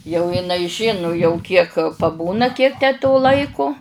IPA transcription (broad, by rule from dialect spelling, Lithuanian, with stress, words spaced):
jɛʊ ɪˈnɐɪ ˈʒʲɪnʊ jɛʊ ˈkʲiɛk pɐˈbuːnɐ ˈkʲiɛk tʲæː toː ˈlˠɐɪkʊ